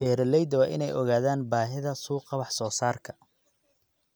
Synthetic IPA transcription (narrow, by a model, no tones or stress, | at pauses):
bɛːɾɛlɛjd̪wɑːʔɪ̰nɛjɔɣaːðaːnbaːɦɪðɐsuːqɑβɑħsɔːsaːrkʰɐ̥